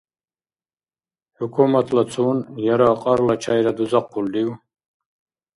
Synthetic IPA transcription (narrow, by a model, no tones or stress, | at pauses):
hukʰumat̪ʰlat͡sʰuːnjaɾaːqʼaɾlat͡ʃʰajɾad̪uzaqːuld̪iw